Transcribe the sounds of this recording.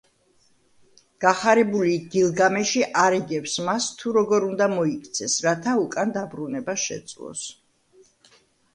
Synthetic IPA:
ɡ̥aχaɾɛbuliɡilˠɡamɛʃiʔaɾiɡɛpsmast̪ʰuɾɔɡɔɾund̪amɔikʰt̪sʰɛsɾat̪ʰaukʼand̪abɾunɛbaʃɛ̰t̪sʼlˠɔ̰s

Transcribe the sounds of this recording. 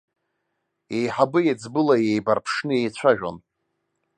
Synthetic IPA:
ejħabɨjad͡zbɨlajejbarpʰʂnɨejt͡ɕʷʰaʒᶣa̰n

